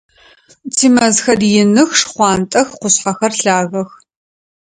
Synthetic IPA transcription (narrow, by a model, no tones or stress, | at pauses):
tʰiːmɐzxɐdjɪnɨxʂχʷɑːntʼɐxqʷʊɕħɐxɐrɬaːɣɐx